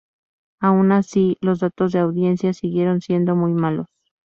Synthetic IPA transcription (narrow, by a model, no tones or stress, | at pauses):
aunasilo̞zðat̪o̞zðe̞awðje̞nsjasiɣje̞ɾo̞nsje̞nd̪o̞mujmalo̞s